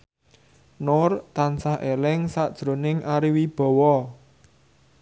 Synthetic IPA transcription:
nʊrt̪ansahelɪŋsaʔd̥ʒ̥ɾo̤nɪŋʔaɾiwib̥ɔ̤wɔ

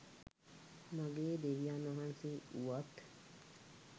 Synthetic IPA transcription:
maɡeːd̪eʋijanʋaɦanseuʋat̪

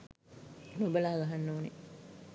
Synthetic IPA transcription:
nobəlaɦaɡaɦanːoːne

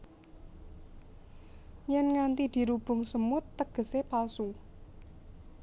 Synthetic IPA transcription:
jɛnŋant̪id̪̥i̤ɾub̥ʊ̤ŋsəmʊt̪ːəɡ̥ə̤sepalsu

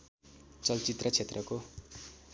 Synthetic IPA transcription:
t͡sʌlt͡sit̪rʌt͡sʰet̪rʌko

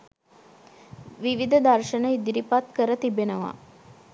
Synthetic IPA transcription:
ʋiʋid̪əd̪arʃənəid̪iɾipat̪kəɾət̪ibenəʋa̰

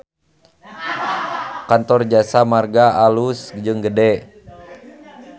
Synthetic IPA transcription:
kant̪ɔrd͡ʒasamarɡaalusd͡ʒɨŋɡədɛ

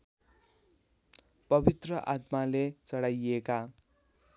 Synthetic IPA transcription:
pʌbit̪rʌʔat̪malet͡sʌɽajeka

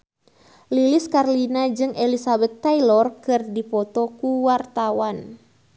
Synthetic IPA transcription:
liliskarlinad͡ʒɨŋʔelisabɛt̪ːajlɔrkɨrdipɔt̪ɔkuwart̪awan

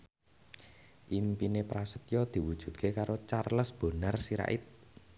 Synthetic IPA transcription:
ʔimpinepɾasət̪jɔd̪̥i̤wud̥ʒ̥ṳt̪̚kʰekaɾot͡ʃarləsb̥o̤nərsiɾa̰ʔɪt̪̚

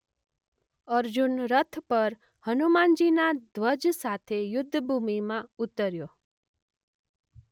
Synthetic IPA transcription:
əɾd͡ʒunɾət̪ʰpəɾ | hənumand͡ʒinad̪ʱʋəd͡ʒsat̪ʰejʊd̪ʱːbʱumimãut̪ːəɾjo

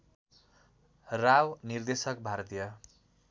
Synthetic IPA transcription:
rawnird̪esʌk̚bʱart̪ijʌ

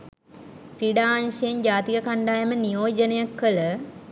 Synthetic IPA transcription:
priɖaːnʂejeɲd͡ʒaːt̪ikəkaɳɖaːjəmənijoːd͡ʒənəjakːələ

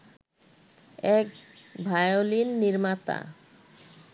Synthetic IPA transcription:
ɛk̚bʱajolinːiɾmat̪a̰

